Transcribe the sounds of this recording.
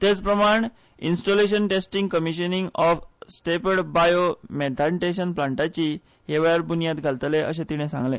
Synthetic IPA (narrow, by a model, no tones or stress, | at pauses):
t̪et͡spɾəmaɳ | insʈoleɕ̬ənʈesʈiŋɡkəmiɕəniŋɡɔfsʈepəɽbajomet̪ʰaɳʈeɕ̬ənplãɳʈat͡ɕiː | ɦeʋajaɾbunijat̪ɡʱalt̪leʔə̰ɕ̬ẽt̪iɽ̃ẽsã̰ŋɡlḛ̃